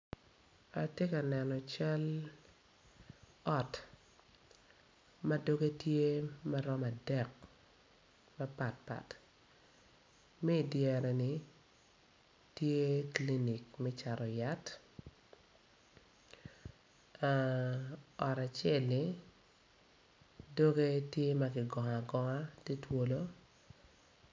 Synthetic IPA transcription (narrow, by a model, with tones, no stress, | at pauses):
a˨tje˦ka˨nɛ˨nɔ˨t͡ʃa˦l | ɔ˨t | ma˦do˦ɡe˦tje˦ma˦ɾɔ˦ma˨dɛ˦˨k̚ | ma˦pa˨t̚pa̰˨t | mɛ˦˨djɛ˨ɾɛ˨ni˨ | tje˦kli˦ni˨kmɛ˦t͡ʃa˨ɾɔ˨ja˦t | ɔ˨ɾa˨t͡ʃɛ˦˨lni˦ | do˦ɡe˦tje˦ma˦ɡɪ˨ɡɔ˨ŋa˨ɡɔ˨ŋa˦te˦two˦lo˦